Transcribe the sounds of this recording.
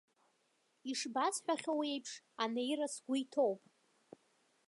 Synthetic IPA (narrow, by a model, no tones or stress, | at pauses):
iʂbasħʷᶣaχʲowe̞jpʰʂanejrasɡʷʊitʰowpʼ